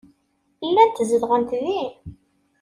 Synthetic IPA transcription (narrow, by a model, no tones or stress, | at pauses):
ilːænt̪zəlʁənt̪ði